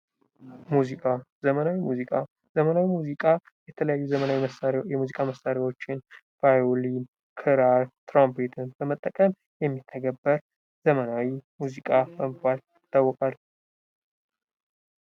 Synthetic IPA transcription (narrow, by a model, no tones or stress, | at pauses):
muzikʼazəmənawimuzikʼa | zəmənawimuzikʼa | jɛt̪ʰələjajːuzəmənawiməsaɾjɛmuzikʼaməsaɾawo̞t͡ʃːɪn | v̥ajolin | kʰɨɾaɾt̪ʰɾampet̪ʰɨnbəmət̪ʼːəkʼəm | jɛmːit̪ʰːəɡəbːəɾ | zəmənawimuzikʼabəmkaljɪt̪ʰʼːawːɔkʼal